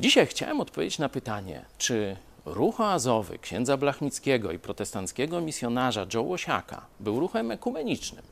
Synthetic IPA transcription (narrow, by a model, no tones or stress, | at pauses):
d͡ʑiɕajxt͡ɕa̰wɛmɔt̪̚pɔvʲḛd͡ʑt͡ɕnapɘt̪aɲɛ̰t͡ʂɘ | ɾuxɔazɔvɘ̰kɕɛ̰nd̪zablaxmʲit̪skʲɛɡɔipɾɔt̪ɛst̪ant̪skʲɛɡɔmʲisʲjɔnaʐad͡ʐɔwɔɕa̰ka̰bɘwɾuxɛmɛkumɛɲit͡ʂnɘm